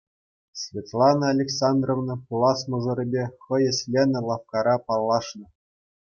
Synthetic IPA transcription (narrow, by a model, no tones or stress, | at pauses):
sʲvʲet̪lˠɑnɤːlʲeksɑnd̪rovnɤ̆pulˠɑsmɤ̆ʐɤ̆ɾʲɘ̆bʲeχɤ̆jɘ̆sʲlʲenʲɘ̆lˠɑfkɑɾɑpɑlˠːɑʂnɤ̆